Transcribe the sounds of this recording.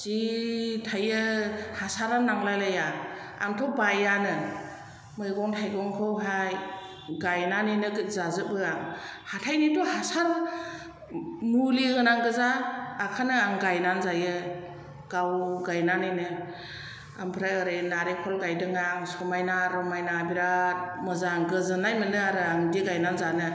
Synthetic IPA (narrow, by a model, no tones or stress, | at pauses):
zitʰajɯhasaɾannːaŋlajlaja | a̰ŋtʰɔbajanɯ | mɯjɡɔŋtʰajɡɔŋkʰɯwɦaj | ɡajnanɯjnɯɡɯzazɯbɯaŋhatʰajnitɔhasaɾ | muliɡɯnaŋɡɯzaːkʰanɯaŋɡajnanzajɯ | ɡ̥awɡajnanɯjnɯ | a̰ŋpʰɾaɯɾɯnaɾekʰɔlɡajdɯŋaŋsɔmajnaɾɔmajnabiɾamɯzaŋɡɯzɯnajmɯnɯaɾɯaŋdiɡajnanzanɯ